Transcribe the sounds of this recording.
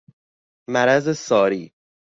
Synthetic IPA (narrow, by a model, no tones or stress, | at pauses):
mæɾæzesɒːɾiː